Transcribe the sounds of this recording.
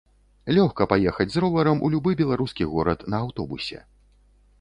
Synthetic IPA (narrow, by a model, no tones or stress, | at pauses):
lʲɔxkɐpajɛxɐd͡zʲzɾɔvˠɐɾɐmṵlʲubɨbʲɛlˠaɾuskʲiɣɔɾɐt̪nɐaːwt̪ɔbusʲɛ̰